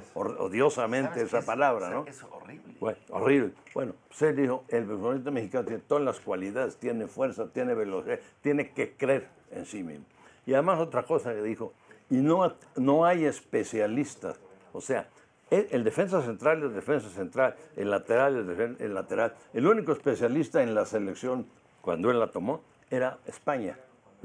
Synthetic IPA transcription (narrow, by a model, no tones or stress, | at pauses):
o̰ðjo̞samẽnt̪eesapalaβɾanoieo̰riβlebwe̞no̞sed̪ixo̞elβesnist̪amexikanot̪jenet̪oðalaskwaliðaðest̪je̞ne̞fwe̞ɾsat̪jeneβe̞losiðat̪jeneke̞kɾe̞ɾ | ḛnsimḭzmo | iaðemaso̞t̪ɾako̞sakeðixo̞ | ino | no̞aje̞spe̞sjalist̪a̰s | ose̞a̰ | eeld̪efe̞ns̬as̬e̞nt̪ɾaleld̪efe̞ns̬ase̞nt̪ɾalḛlat̪eɾaled̪eeḛlat̪e̞ɾalelunikoespe̞sjalist̪aenlase̞le̞ksjo̞ŋ | kwa̰nd̪oe̞lːat̪o̞mo̞ | e̞ɾaespaɲa̰